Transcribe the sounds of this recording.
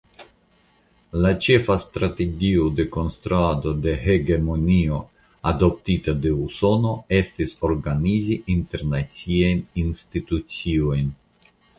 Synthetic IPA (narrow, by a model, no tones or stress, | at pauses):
lat͡ʃe̞fastɾate̞ɡiode̞ko̞nstɾuado̞de̞he̞ɡe̞mo̞nio̞ | ado̞p̚titade̞uso̞no̞e̞stiso̞ɾɡaniziʔinte̞ɾnat͡siajninstitut͡sio̞jn